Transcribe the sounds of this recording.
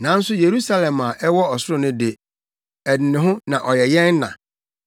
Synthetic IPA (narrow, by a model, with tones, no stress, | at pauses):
nã˨˦n̩˦sʊ˦je˨ɾu˦sa˦lɛ̃˨ma˨ʔɛ˦wɔ˦ɔ˨sʊ˦ɾʊ̃˦nʊ̃˦de˨ | ɛ˨nɪ̃˨nɪ̃˨ɦʊ̃˦nã˨ʔɔ˨jɛ˨jɛ̃˦nː˦ã̰˨